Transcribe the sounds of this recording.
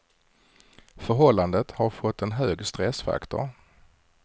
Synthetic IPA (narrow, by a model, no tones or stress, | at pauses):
fœɾɦɔlːand̪ət̪haɾfɔt̪ʰːɛnɦøːɡst̪ɾɛsfa̰kt̪ʊ̰ɾ